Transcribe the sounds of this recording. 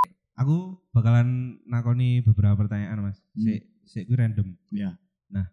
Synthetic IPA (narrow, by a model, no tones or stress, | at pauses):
ʔakub̥a̤kalanːakonib̥əbəɾapapərt̪aɲaʔanmas | seʔ | seʔkuɾɛndəmja | nah